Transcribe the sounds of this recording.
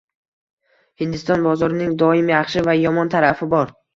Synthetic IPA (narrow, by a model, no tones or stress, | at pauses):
hɪnd̪ɪst̪ɒnbɒzɒɾɪnɪŋd̪ɒɪmjɑχʃɪvajɒmɒnt̪ʰaɾafɪbɒɾ